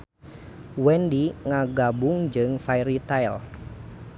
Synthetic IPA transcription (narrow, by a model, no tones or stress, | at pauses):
wɛndiŋaɡabʊŋd͡ʒɨŋfajɾit̪ajl